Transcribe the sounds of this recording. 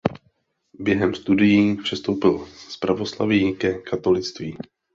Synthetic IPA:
bjɛɦɛmst̪udɪjiːpr̝̥ɛst̪o̞wpɪlspɾavo̞sla̰vɪkɛkʰat̪o̞lɪt͡st̪viː

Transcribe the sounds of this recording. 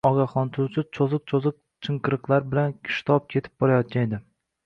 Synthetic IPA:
ɒɡʲaχɒnt̪ʰʊwt͡ʃʰɪt͡ʃʰozɨq̚t͡ʃʰozɨq̚ | t͡ʃʰɨŋqɨɾɨqlˠaɾbɪlan̥ʲʰʃt̪ʰɒp̚kʲʰe̞t̪ʰɪ̥p̚bɒɾajɒt̪̚kʲaned̪ɪ

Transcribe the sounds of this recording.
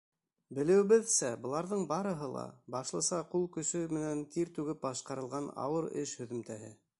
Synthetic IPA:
bɘ̆lɘ̆wɘ̆βɘðsæbɤ̆lˠɑɾðɤɴbɑɾɤ̆ɦɤlˠɑ̰bɑʃlˠɤ̆sɑqulˠkɵ̆sɵmɘ̆nænt̪iɾt̪ʉɡɘp̚bɑʃqɑɾɤ̆lˠʁɑnɑ̰wɤɾɘ̰ʃhɵ̆ðɵ̆mt̪æɦɘ̰

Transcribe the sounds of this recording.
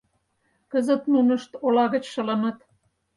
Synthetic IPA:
kə̆zə̆t̪nunɤ̆ʃt̪olɑɣə̆t͡ɕʃɤ̆lɤ̆mɤ̆t̪

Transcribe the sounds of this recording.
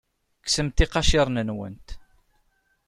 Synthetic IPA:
ksəmt̪iqɑʃɪɾˤnənwə̰nt̪

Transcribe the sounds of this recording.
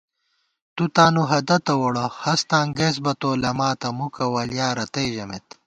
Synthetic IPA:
t̪ut̪aːnuɦɐd̪ɐt̪ɐwoɽɐhɐst̪ãːŋɡes̬bɐt̪oːlɐmaːt̪ɐmukɐwɐljaːɾɐt̪ɐjʑɐmet̪

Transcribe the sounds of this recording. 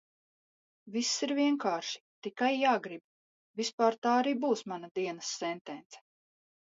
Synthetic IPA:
visːiɾviɛŋkaːɾʃi̥t̪ikajːaːɡɾib | vispaːɾt̪aːaɾiːbuːsmanad̪iɛnɐsːɛnt̪ɛnt̪sɛ̥

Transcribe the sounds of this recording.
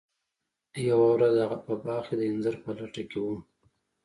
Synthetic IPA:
jawawɾazaɣapəbɑxed̪əɪnzaɾpəlaʈakewum

